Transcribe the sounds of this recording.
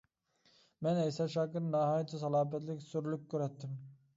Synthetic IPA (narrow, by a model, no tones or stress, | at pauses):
mɛnɛjsɑʃɑːkɨɾnɑɦɑːj̪ʰɛsɑlˠɑːpɛt̪lɪkʲsyɾlykʲʰːøɾɛt̪ːɪm